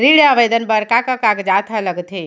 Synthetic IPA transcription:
ɾiɽjaʋəjd̪ənpəɾkakakakd͡ʒat̪ʰaləɡt̪ʰi

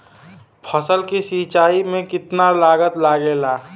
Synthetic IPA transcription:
pʰəsəlkisit͡ʃaːimẽkɪt̪nalaːɡət̪laːɡelaː

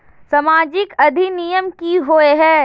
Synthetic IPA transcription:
sɐmaːd͡ʒɪkɐd̪ʱinijəmkiɦoeɦɛ̃ː

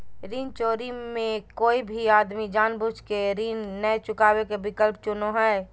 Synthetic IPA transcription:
ɾiːnt͡ʃoːɾimẽkoːibʱiaːd̪mid͡ʒaːnbud͡ʒkeɾiːnːəjt͡ʃʊkaːbekebɪkəlpt͡ʃʊnoɦɛ

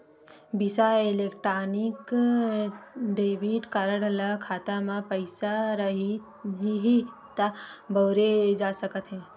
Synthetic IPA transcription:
bisaeleːkʈɾaːnɪk | ɖeːbiːʈkaɾəɽəlakʰaːt̪amãpəɪsaɾɐɦi | ɦɦit̪aboːɾed͡ʒaːsəkət̪ɦɛ̃ː

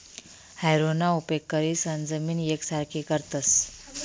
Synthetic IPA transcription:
hajɾonaupekːəɾisənd͡zəmiːnjeksaɾkʰikəɾt̪əs

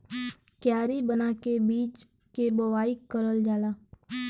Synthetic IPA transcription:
kjaːɾibənaːkebiːt͡ʃ | kebəʋaːikəɾəld͡ʒaːlaː

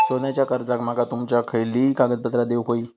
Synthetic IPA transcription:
sonjat͡ɕjakəɾd͡zãkmaɡat̪umt͡ɕjakʰəɭliːkaɡəd̪̚pət̪ɾad̪eʋkoiː

